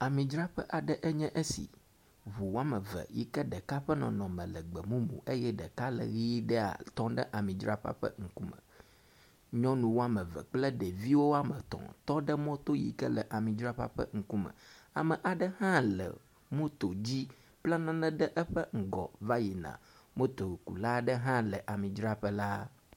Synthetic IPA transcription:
a˨mĩ˨d͡ʒɾa˦ɸə̰˦ʔa˨ɖə˦ʔɛ˦ɲɛ̃˦ʔə˦sḭ˨ | βu˨wo˦a˦mə̃˨və̰˨jḭ˦kə˦ɖə˨ka˦ɸə˦nɔ̰̃˨nɔ̃˨mə̃˨lə˨ɡ͡bə˨mũ˦mṵ̃˨ʔe˦jɛ˦ɖə˨ka˦lə̰˨ɣi˦ɖə˦a̰˨t̪ɔ̃˦ɖə˦ʔa˨mĩ˨d͡ʒɾa˦ɸa̰˦ɸə̰˦ŋ̩˨ku˦mə̰̃˨ | ɲɔ̃˦nũ˨wo˦a˦mə̃˨və̰˨k͡plə˦ɖɛ˨vi˦wo˦a˦mə˨t̪ɔ̰̃˨t̪ɔ˦ɖə˦mɔ̃˦t̪o˦jḭ˨kə̰˦lə˨ʔa˨mĩ˨d͡ʒɾa˦ɸa̰˦ɸə̰˦ŋ̩˨ku˦mə̰̃˨a̰˨mə˨ʔa˨ɖə˦hã˦lə̰˨ | mũ˦t̪o˨d͡ʑi˦ | k͡pla˦nɔ̃˦nɛ̃˦ɖə˦ʔɛ˦ɸə˦ŋ̩˨ɡɔ̰˨va˦ji˨nã̰˨mũ˦t̪o˨kṵ˨la˦˨ɖə˦ɦã˦lə˨ʔa˨mĩ˨d͡ʒɾa˦ɸə˦la˦

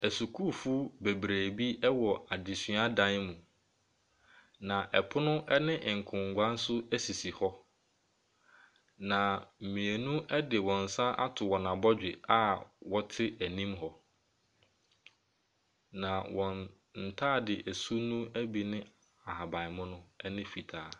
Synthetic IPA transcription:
æ˨su˨kʰuː˦˨fu˦be˨bɾæː˨bi˦ɛ˦wɔ˨a˨di˨sɥa˦dã˦nmũ˨ | nã˨ʔɛ˨pʰʊ˦nʊ̃˦ʔɛ˦nɪ̃˦ʔɪ̃˨ŋ̩˨kʰʊ̃˨ŋ˨ɡʷã˦n̩˦sʊ˦æ˦si˨si˨hɔ˦ | nã˨m̩˨mĩ˨e˨nũ˦ʔɛ˦dɪ˨wɔ̃˨n̩˨sã˦ʔa̰˦tʰʊ˨wɔ˨nã˨bɔ˦d͡ʑᶣɪ˨a˦wɔ˦tʰɪ˦æ˨nĩ˦mɦɔ˨ | nã˨wɔ̃˨n | n̩˨tʰaː˦˨dɪ˨ʔæ˨su˦nũ˦æ˦bi˨nɪ̃˦ | a˨ha˨bã˨mʊ̃˦nʊ̃˦ɛ˦nɪ̃˦fi˨tʰaː˨˦

